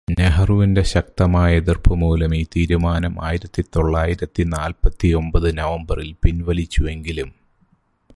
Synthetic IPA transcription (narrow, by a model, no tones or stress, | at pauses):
ne̞ɦɐruʋinde̞ɕɐk̚t̪ɐmaːjɐeðirpʰɐmuːlɐmiːt̪iːɾumaːnɐma̰ːjiɾɐt̪ːit̪o̞ɭːaːjiɾɐt̪ːinaːlpɐt̪ːio̞mbɐðɨnɐʋɐmbɐrilpinʋɐlit͡ɕːue̞ŋɡilum